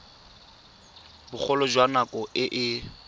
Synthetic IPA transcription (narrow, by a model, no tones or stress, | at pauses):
bʊk͡xʰɔlɔd͡ʒwanakʼɔʔɪʔɪ